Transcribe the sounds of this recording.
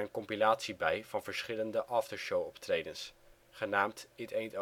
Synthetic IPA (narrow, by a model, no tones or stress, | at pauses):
ənkɔmpilaːtsibɛjv̥ɑnvəɹsχɪləndəʔɑːftəɹʃowɔptrejdəns | χənaːmtɪtejnt